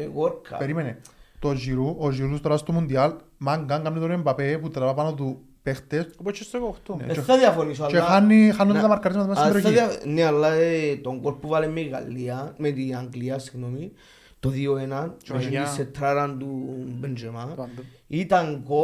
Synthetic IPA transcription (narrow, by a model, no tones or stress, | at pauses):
eɣoɾkʰa̰peɾimenet̪oziɾuoziɾust̪oɾast̪omund̪iɐl | maŋɡaŋɡamnit̪oɾiembapeput̪ɾɐvapanot̪u | pext̪esopot͡ʃːest̪eɣoft̪o̰est̪aðiafonis̬oalt͡ʃeanːixanːot̪ɐmɐɾkːɐɾizmɐðmɐssɾaanːealːaet̪oŋɡolpuvalemːeiɣa̰lːiamet̪iaŋɡliasi̥ɣnomi | t̪oðioenaneiset̪ːɾaɾand̪ubend͡ʒema | it̪aŋɡo